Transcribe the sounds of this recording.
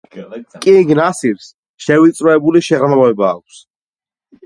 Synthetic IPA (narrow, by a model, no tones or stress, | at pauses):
kʼiɡnasiɾs | ʃɛvit̪sʼɾɔɛbuliʃɛʁɾmaavɛbaːk̚ʷʰs